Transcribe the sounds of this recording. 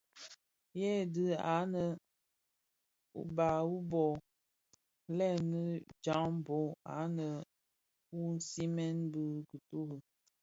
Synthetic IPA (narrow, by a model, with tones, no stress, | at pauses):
jɛ˦dɨ˦a̰˨˦nə˨ | ṵ˨ba˨wu˦bɔ˨ | lɛ˦˨nə˦d͡ʒa˨˦ŋm˨bo˨˦a̰˨˦nə˨ | wu˦n̩˦si˦mɛ˦nbɨ˦kə˨tu˦hə˨